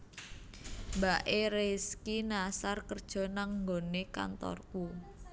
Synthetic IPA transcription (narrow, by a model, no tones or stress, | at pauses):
mbaʔeɾeskinasarkərd̥ʒ̥ɔ̤naŋŋɡoneka̰nt̪ɔ̰rku